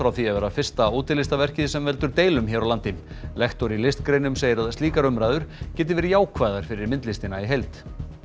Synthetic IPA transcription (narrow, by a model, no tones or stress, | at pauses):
fɾawθiavɛːɾafɪr̥st̪aoːt̪ɪɾlɪst̪avɛr̥cɪðɪsɛmvɛlt̪ʏɾt̪eːjlʏmçɛɾawlant̪ɪm | lɛxt̪ɔɾilɪst̪kɾeːjnʏmsejɪɾaðast̪iːkaɾʏmɾajðʏɾ̥cɛːt̪̬ɪvɛːɾɪjaːwkʰvaːjðaɾ̥fɪɾɪɾmɪnt̪lɪst̪ɪnaiɦejlt̪